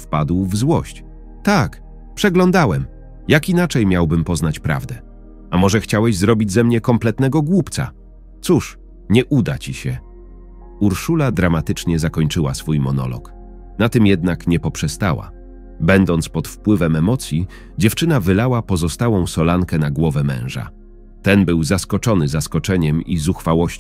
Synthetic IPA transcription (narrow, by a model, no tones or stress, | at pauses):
fpad̪wvzwɔɕt͡ɕ | t̪ak | pʂɛɡlɔnd̪awɛm | jakinat͡ʂɛjmʲjawbɘmpɔznat͡ɕpɾa̰vd̪ɛ | amɔʐɛxt͡ɕawɛʑzɾɔbʲid͡ʑzɛmɲɛkɔmplɛt̪nɛɡɔɡwupt̪sa̰ | t̪suʂ | ɲɛʔud̪at͡ɕiɕɛ | uɾʂulad̪ɾamat̪ɘt͡ʂɲɛzakɔɲt͡ʂɘwasfujmɔnɔ̰lɔ̰k | nat̪ɘmjɛd̪nakɲɛpɔpʂɛst̪awa̰ | bɛnd̪ɔnt̪spɔt̪fpwɘvɛmɛmɔt̪sʲji | d͡ʑɛft͡ʂɘnavɘlawapɔzɔst̪awɔ̃w̃sɔlaŋkɛnaɡwɔvɛmɛ̰̃w̃ʐa̰ | t̪ɛnbɘwzaskɔt͡ʂɔnɘzaskɔt͡ʂɛɲɛmizuxfawɔɕ